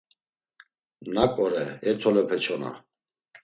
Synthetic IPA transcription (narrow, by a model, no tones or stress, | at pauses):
nakʼɔɾɛɛt̪ʰɔlɛpʰɛt͡ʃʰɔna̰